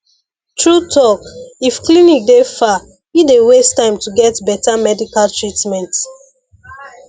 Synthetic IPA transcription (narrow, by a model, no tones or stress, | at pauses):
tɹutʰɔkifklinik̚defa | widewestãɪ̃mtuɡɛtbɛtamɛdikaltɹitmɛ̃nt